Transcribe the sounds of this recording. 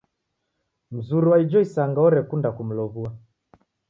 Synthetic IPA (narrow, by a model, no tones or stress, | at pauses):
m̩zuɾuwaid͡ʒɔisaŋɡaɔɾɛkundakum̩lɔβua